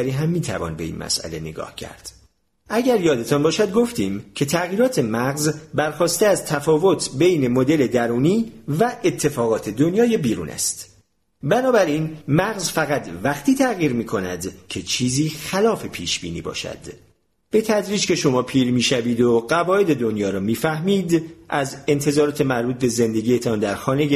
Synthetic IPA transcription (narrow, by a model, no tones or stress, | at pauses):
ɾiːɦæmːiːt̪ʰæ̰vɒ̰ːnbe̞̰ḭnmæ̰sʔæ̰le̞nḛɡɒ̰ːhcʰæ̰ɾd̪̥ | ʔæɟæɾjɒːd̪e̞t̪ʰɒnbɒːʃæd̪ɡo̞ft̪iːmcʰe̞t̪ʰæɣiːɾɒːt̪ʰe̞mæɣzbæɾxɒːst̪eæzt̪ʰæfɒːvo̞t̪ʰbejne̞mod̪e̞le̞d̪æɾuːniːvæʔet̪ʰːe̞fɒːɣɒːt̪ʰe̞d̪onjɒːjebiːɾṵːnæ̰st̪ | bænɒːbæɾiːnmæɣzfæɣæt̪væχt̪ʰiːt̪ʰæɣiːɾmiːkʰo̞næ̰d̪cʰe̞t͡ʃʰiːziːxælɒːfe̞pʰiːʃbḭːnḭːbɒ̰ːʃæ̰d̪̥ | b̥e̞t̪ʰæd̪ɾiːd͡ʒkʰe̞ʃo̞mɒːpʰiːɾmiːʃæviːd̪oɢævɒːe̞d̪e̞d̪o̞njɒːɾɒmiːfæhmiːd̪ʔæze̞nt̪ʰe̞zɒːɾɒːt̪ʰe̞mæɾbuːt̪̚be̞ze̞nd̪e̞ɟiːje̞t̪ʰɒnd̪æɾxɒːne̞j